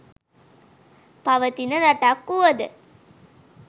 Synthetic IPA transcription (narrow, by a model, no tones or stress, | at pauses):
pɐʋət̪inəɾɐʈakːuʋɐd̪ɨ